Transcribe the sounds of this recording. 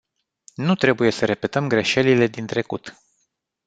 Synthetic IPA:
nut̪ɾe̞buje̞səɾe̞pe̞t̪əmɡɾe̞ʃe̞lile̞d̪int̪ɾe̞kut̪

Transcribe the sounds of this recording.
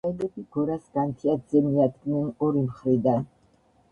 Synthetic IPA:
ɛɡɛbiɡɔɾasɡant̪ʰiad̪zɛmiad̪ɡnɛnɔɾimχɾid̪an

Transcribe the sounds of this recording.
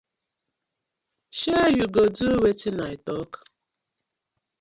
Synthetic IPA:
ʃejuɡoduwetinaitɔk

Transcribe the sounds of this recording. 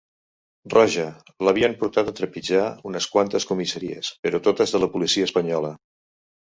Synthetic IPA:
rɔʒə | ləβ̞iəmpuɾt̪at̪ət̪ɾəpid͡ʒaunəskwant̪əskumisəɾiə̰spəɾɔt̪ot̪əzðələpulisiəːspəɲɔlə

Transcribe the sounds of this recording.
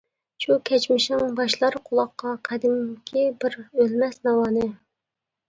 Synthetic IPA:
ʃukʲʰɛt͡ʃmɪʃnɪŋbɑʃlˠɑɾqʰʊlˠɑqːɑqʰæd̪ɪmkʲʰibɪɾølmɛsnɑwɑːnɨ

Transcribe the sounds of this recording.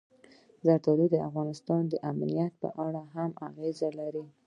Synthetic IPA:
zaɾt̪ɑlid̪əa̰fɣɑnɪst̪ɑnd̪əʔamnijat̪̚pə̰ʔaɽaɦama̰ɣezalaɾi

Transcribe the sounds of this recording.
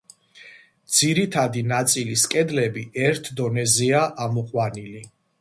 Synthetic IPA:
d̪z̥iɾit̪ʰad̪inat̪sʼiliskʼɛd̪lɛbiɛɾt̪ʰd̪ɔnɛziaʔamɔqʼwanili

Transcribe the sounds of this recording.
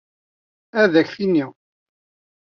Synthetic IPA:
æðæçθinːi

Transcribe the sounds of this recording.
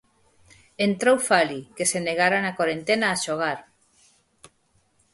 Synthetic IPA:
ent̪ɾowfalikeseneɣaɾanakoɾent̪enaːʃoɣ̞aɾ

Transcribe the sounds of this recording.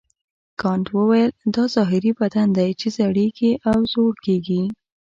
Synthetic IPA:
kɑɳʈwəwajəld̪ɑzɑɦɪɾibad̪and̪ajt͡ʃezaɽiɡiʔawzoɽkeɡi

